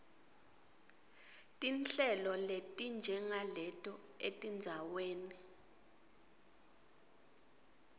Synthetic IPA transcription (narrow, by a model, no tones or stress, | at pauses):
tʼint͡ɬɛlɔletʼind͡ʒʱɛŋalɛtʼɔ | etʼind͡zʱaweːni